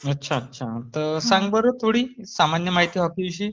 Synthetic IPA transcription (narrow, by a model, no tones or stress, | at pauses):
ətːɕʰaətːɕʰat̪əɾsãŋɡ̚bəɾot̪uɽiːsamanjəmaɦit̪iːɦɔfiɕiː